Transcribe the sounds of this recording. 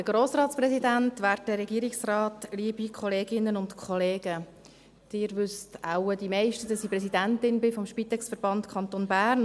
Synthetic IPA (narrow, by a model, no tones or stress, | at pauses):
d̥əɡ̥ɾoːsrɑːtt͡sprɛsidæntʋæːɾt̚ːəɾɛɡiːəɾɪksrɑːtliːəbikʰɔleːɡɪnːənʊntkʰχɔleːɡ̥ə | d̥ɪːɾʋʏstaʊəd̥imɛɪʃtəd̥ɑsipɾ̥ɛsidæntɪnbɪfɔmʃpit̪ɛksfəɾb̥ɑntkʰɑnt̪onbæːɾn